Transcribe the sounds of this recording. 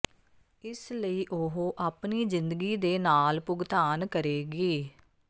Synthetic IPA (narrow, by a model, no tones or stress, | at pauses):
ɪsləiːʔoɦoːʔaːpniːzɪ̃nd̪əɡiːd̪eːnaːlpʊɡt̪aːnkəɾeːɡiː